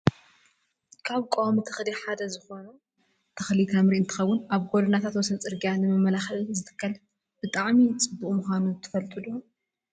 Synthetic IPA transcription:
kʰaβkʼomik̪ʰɨ̥xd̪iħad̪ɐzɨxo̞nɐ | t̪ʰɐxlit̪ʰamɾiʔɨnt̪ʰɨxɐwːʊnaβɡod̪ɨnat̪ʰat̪wɔsɐnt͡sʼɨɾɡijanɨmɨmːɐlaxɐlzɨt̪ʰɨ̥kːɐl | b̥ɨt̪ʼaʕmit͡sʼɨbːuʔʼmuxʷanut̪ʰɨ̥fɐlt̪ʼɨd̪u

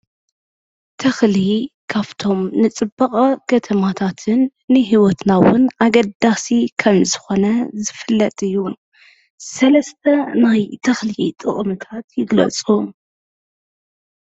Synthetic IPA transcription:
t̪ʰɐxlikʰaβt̪ʰo̞mnɨt͡sʼɨbːɐkʼɐkʰɐt̪ʰɐmat̪ʰat̪ʰɨnː | ɨɦiwot̪nawʊ̰naɡɐd̪asikʰɐmzɨxo̞nɐzɨfɨlːɐt̪ʼɨjːu | sɐlɐst̪ʰɐnajt̪ʰɐxlit̪ʼɨ̰ʔʼmɨt̪ʰat̪jɪɡlɐ̰t͡sʼum

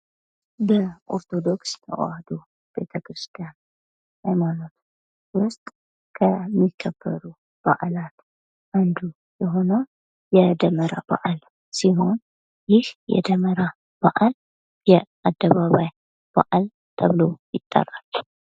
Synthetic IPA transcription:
bəʔo̞̰ɾt̪ʰo̞d̪o̞ksnəʔo̰ad̪o | b̥e̞̰t̪ʰəkɾɨst̪ʰʼijan | hajmanot̪ʰ | wʊst̪ʼ | kʰəmːikʰːəbːə̰ɾu | b̥a̰ʔalat̪ | ʔand̪u | jɛɦo̞nə | jɛd̪əməɾaba̰ʔal | siɦo̞n | jɪhjɛ̰d̪əməɾa | b̥aʔal | jɛʔad̪ːəβaβaj | b̥a̰ʔal | t̪ʰəβɨlo̞jɪt̪ʼːə̰ralː

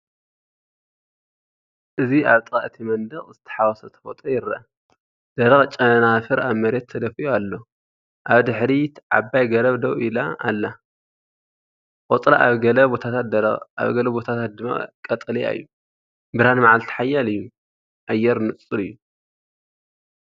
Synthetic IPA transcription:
ʔɨziaβt̪ʼaʔɨt̪ʰimɐnd̪ɐɣʼzɨt̪ʰɐ̥ħawɐsɐt̪ʰɐ̥fot̪ʼojɪɾɐʔɐ | d̪̥ɐɾɐɣʼt͡ʃʼɐnafɨɾaβmɐɾet̪ʰːɐd̪ɐfiʔoalːo | ʔaβd̪ɨħɾit̪ʕa̰bːajɡɐɾɐβd̪ɐwila̰alːa | kʼot̪ʼla̰aβɡɐlɐbot̪ʰat̪ʰat̪̚a̰βɡɐlɐbot̪ʰat̪ʰat̪̚d̪ɨmːa̰kʼɐt̪ʼɨlia̰jːu | bɨɾanmaʕalt̪ʰi̥ħajːalɨjːu | ʔajːɛɾnɨt͡sʼːɨlɨjːu

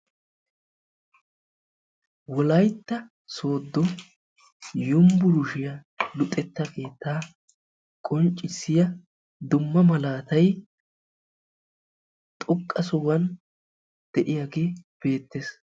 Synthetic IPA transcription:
wɔlɐjt̪ːɐ | so̞ːd̪ːɔ | jʊmbʊɾʊʃɪjɐ | lʊt̪ʼːɛt̪ːɐke̞ːt̪ːaː | kʼɔnt͡ʃʼːɪsːɪjɐ | d̪ʊmːɐmɐlaːt̪ɐj | t̪ʼɔkʼːɐsɔwɐn | d̪̥ɛʔɪjaɡeːb̥e̞ːt̪ːes

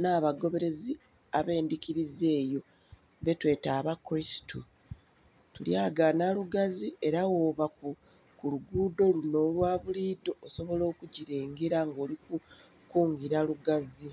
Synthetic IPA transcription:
naːβaɡo̞βe̞ɾe̞zi | aβe̞ːndikiɾize̞ːjo̞ | βe̞twe̞ːtaːβakuɾisi̥tu | tuljaːɡanaluɡazie̞ɾawo̞ːβaku | kuluɡuːdo̞luno̞ːlwaːβuliːdo̞ːso̞βo̞lo̞ːkuɟiɾeːŋɡeɾaŋɡo̞ːliku | kuːŋɡiɾaluɡazi

